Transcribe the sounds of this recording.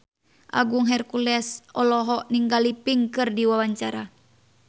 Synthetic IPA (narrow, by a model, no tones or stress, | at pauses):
ʔa̰ɡuŋɦɛrkulɛsɔlɔɦɔʔniŋɡalipiŋkɨrdiwawaɲt͡ʃaɾa